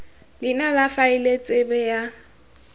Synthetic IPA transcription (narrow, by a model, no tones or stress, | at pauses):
lɪnalafaɪlet͡sʼɪbɛja